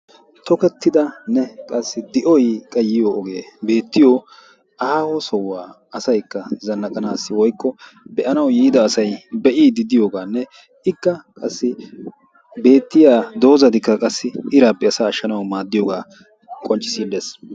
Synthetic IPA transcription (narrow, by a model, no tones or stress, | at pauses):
t̪ʰɔkɛt̪ːɪd̪ɐnːɛkʼɐsːɪd̪ɪʔɔjkʼɐjːɪjoːɡeːbe̞ːt̪ːɪjo | ɐhaːhɔsɔwːaː | ɐsɐjkːɐzɐnːɐkʼɐnaːsːɪwɔjkːɔbɛʔɐnɐwjiːd̪ɐːsɐjbɛʔiːd̪ɪd̪ɪjoːɡaːnːɛ | ɪkːɐkʼɐsːɪ | be̞ːt̪ːɪjaːd̪o̞ːzɐd̪ɪkːɐkʼɐsːɪɪɾaːpːɛɐsaːʃːɐnɐwmaːd̪ːɪjoːɡaː | kʼɔnt͡ʃʼːɪ̥siːlːeːs